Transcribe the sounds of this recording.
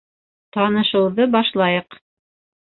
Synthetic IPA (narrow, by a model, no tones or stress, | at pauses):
t̪ɑnɤ̆ʃɤ̆wðɤbɑʃlˠɑjɤq